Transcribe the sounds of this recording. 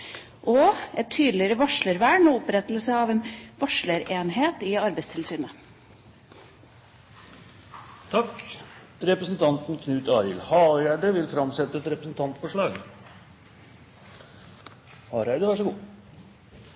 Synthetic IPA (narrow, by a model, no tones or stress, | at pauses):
ʔɔʔɛt̪ʰːyːd̪lɪɾəʋɑʂɭəɾʋæːɳoːʊpɾɛt̪lsəɑːʋeːnʋɑʂɭəɾeːnɦeːt̪ɪɑɾbæɪst̪ʰɪlsyːnə | t̪ʰɑk | ɾɛpɾəsn̩t̪ʰɑnt̪nkʰnʉːt̪ɑːɾɪ̰lhɑːjæɖəʋɪlfɾɑmsɛt̪ːəɛt̪ɾɛpɾəsn̩t̪ʰɑnt̪fɔʂɭɑːɡ | hɑːɾæɪd̪əʋæʂ̬ɔɡuː